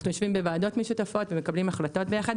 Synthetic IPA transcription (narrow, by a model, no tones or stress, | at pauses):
nujoʃvimbevaːdo̞tmeʃutafo̞tveme̞kablimaχlato̞t̚be̞jaχad̪